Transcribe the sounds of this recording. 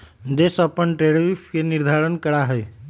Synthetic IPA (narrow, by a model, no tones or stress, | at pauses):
d̪esapəɳʈɾeɽɾifkeniɾd̪ʱaɾənkəɽaɦej